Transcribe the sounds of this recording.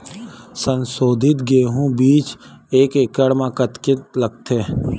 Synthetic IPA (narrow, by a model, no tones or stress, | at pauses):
sə̃nsoːd̪ʱɪt̪ɡeːɦũbiːt͡ʃeːkekəɽmãkət̪kɪt̪ləɡ̚t̪ʰe